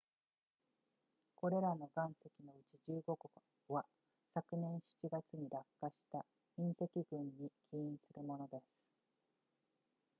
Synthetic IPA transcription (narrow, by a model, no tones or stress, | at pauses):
ko̞ɾe̞ɾano̞ɡãɰ̃se̞kʲino̞ɯ̟t͡ɕiʑɨːɡo̞ɡo | βa | sakɯ̟nẽ̞ɰ̃ɕi̥t͡ɕiɡat͡sɨɲ̟iɾakːaɕi̥t̪a | ĩɰ̃se̞kʲiɡɯ̟̃ɲːikʲʰiĩɰ̃sɨɾɯ̟mo̞no̞d̪e̞sɨ̥